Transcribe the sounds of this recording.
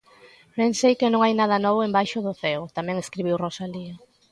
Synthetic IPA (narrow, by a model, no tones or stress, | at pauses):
bensejkɪnõŋajnað̞ɐnɔβʊembajʃʊðʊθɛwt̪amɛ̃ŋeskɾiβ̞iwrosaliɐ